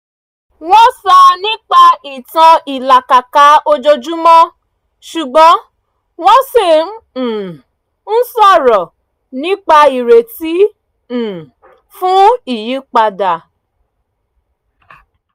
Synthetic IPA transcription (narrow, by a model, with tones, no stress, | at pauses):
w̃ɔ̃˦sa˧nĩ˦k͡pa˧i˨tã˧i˨la˨ka˨ka˨˦o˧d͡ʒo˧d͡ʒu˦mɔ̃˦ | ʃu˨ɡ͡bɔ̃˨˦ | w̃ɔ̃˦se˦˨m̩˦˨ | n̩˦sɔ˦˨ɾɔ˨ | nĩ˦k͡pa˧i˨ɾe˨ti˨˦˨ | fũ˦i˦˨ji˨˦k͡pa˧da˨